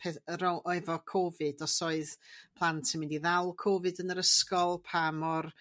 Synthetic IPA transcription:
pʰɛɾɔʔɔɨvɔkʰoːvɨd̥ɔsɔɨðpʰlˠantsɪmɪndiðɛlˠkʰoːvɨdənəɾəskɔlˠpʰamɔr

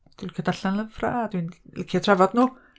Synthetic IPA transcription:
d̥wikʰədaɬanləvfra̰ːd̥winlɪkʰiatʰrɛvɔdnuː

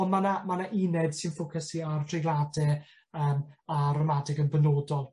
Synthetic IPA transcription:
ɔnmanamanaʔinɛd̥sɪnfʊkʰəsiartʰrɪɡlˠadɛ | əːmarɔmadɪɡənbɛnoːdɔlˠ

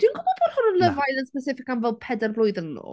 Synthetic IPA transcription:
d̥inɡʊbɔbɔr̥hʊnənlˠəvajðənspɛsɪfɪkamvɛlˠpʰɛdarblˠʊɨðənɔ̰

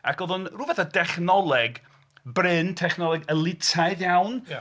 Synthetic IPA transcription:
akʰoðʊnruːvɛθadɛχnɔlˠɛɡ | brɪntʰɛχnɔlˠɛɡəlˠɪtʰaɨðjawn

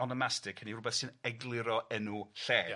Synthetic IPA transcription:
ɔnɔmastɪkʰənirʊbɛθsɨnɛɡlˠɪɾɔɛnuɬɛː

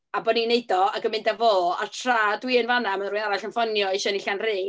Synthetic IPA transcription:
abɔdnineɨdɔaɡəmɪndavoːa̰tʰraːdwiənvanamanrujaɾaɬənfɔnjɔiʃɔniɬanreː

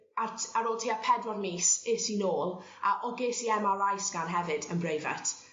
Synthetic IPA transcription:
atʰaɾoːlˠtʰiːapʰɛdwɔrmiːsɪːsinoːlˠ | aʔɔɡeːsiɛmaɾajsɡ̥anɦɛvɨdənbrejva̰tʰ

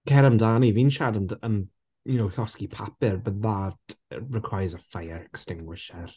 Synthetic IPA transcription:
kʰɛɾəmdaːnivinʃadənən | jʊnowɬɔskipʰapɪɹbəððatɹɪkʰw̥ajzəfajəɹɛkstɪŋɡwɪʃər

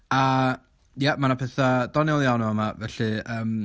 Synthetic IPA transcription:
a | jɛmanapʰɛθad̥ɔnɪlˠjanuəmavɛɬɨəːm

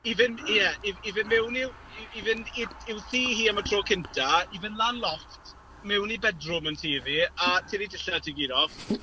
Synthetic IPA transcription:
ivɪnjɛiivɪnmɛwniw | ivɪniɪwθiːhiːamətʰroːkʰɪntʰaivɪnlˠaːnlˠɔftʰ | mɛwnibɛdrʊməntʰiːðiatʰinidɪɬatʰɪɡiɾɔv

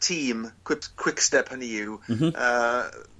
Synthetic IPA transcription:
tʰiːmkʰw̥ɪpkʰw̥ɪkstɛpʰhənijɪwə

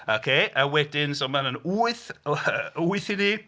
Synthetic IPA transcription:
okʰeʔəwɛdɪnsɔmanənuːɨθ | uːɨθini

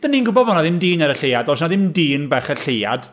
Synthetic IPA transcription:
d̥ənːinɡʊbɔbɔnaðɪmdiːnɛɾəɬejadɔs̬naðɪmdiːnbɛχɛɬeja̰d̥

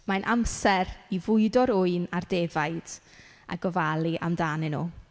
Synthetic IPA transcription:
manʔamsɛɾivʊɨdɔɾʊɨnardeːvaɨd̥ | a̰ɡɔvalˠiʔamdaːnɛnṵː

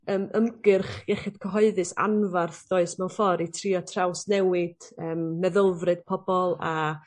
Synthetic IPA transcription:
əːməmɡɨrχɡɛχɪd̥kʰəɦɔɨðɨsa̰nvarθdoːɨsmɛwnfɔɾitʰriɔtʰrawsnɛwɪd̥əːmːɛðəlˠvrɨd̥̚pʰɔbɔlˠa

